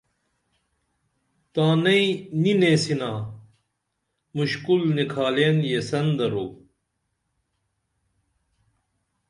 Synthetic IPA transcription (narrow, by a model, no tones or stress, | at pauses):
t̪aːnɐinineːsinaː | muɕkulnikʰaːlenjesɐnd̪ɐɾo